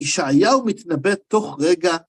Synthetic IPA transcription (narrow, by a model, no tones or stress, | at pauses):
iʃaajaumit̪nabed̚t̪o̞χʁeɡa